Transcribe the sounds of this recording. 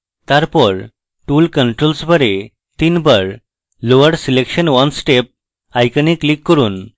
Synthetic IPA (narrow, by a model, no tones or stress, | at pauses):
t̪aɾpɔɾ | ʈulkəɳʈɾolsbəɾe | t̪inbəɾ | loʋəɽsilekɕənʋənsʈep̚ | ajkəniklikːɔɾuːn